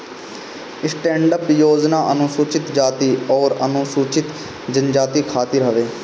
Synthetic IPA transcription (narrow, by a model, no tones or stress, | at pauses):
ɪsʈɛ̃ːɳɖəpjoːd͡ʒnaːʔənʊsuːt͡ʃɪt̪d͡ʒaːt̪iːɔːɾənʊ̃suːt͡ʃɪt̪ | d͡ʒənd͡ʒaːt̪iːkʰaːt̪ɪɾɦəʋeː